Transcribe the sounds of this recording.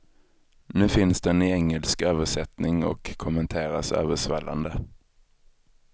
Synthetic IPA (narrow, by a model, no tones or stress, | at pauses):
nʉ̟ːfɪnsd̪ɛnɪɛŋːəlskøːvəʂɛt̪nɪŋɔ̰kʰːʊmənt̪ʰeːɾasø̰ːvəʂvɛ̰lːa̰nd̪ə